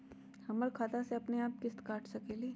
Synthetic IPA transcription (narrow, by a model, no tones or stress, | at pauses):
hɐməɾkʰaːt̪aseɐpneaːp̚kɪst̪kaːʈʰsɐkeːliː